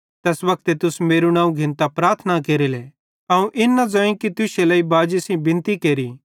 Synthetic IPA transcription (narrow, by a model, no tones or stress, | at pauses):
t̪ɛːsʋɐk̚t̪et̪ʊsmeːɾunãːũɡʱɪ̃nt̪apɾaːɾt̪ʰnakeːɾile | ɐũʔɪnːad͡zɐĩkit̪ʊselɐibaːd͡ʒesĩbɪ̃nt̪ikeːɾiː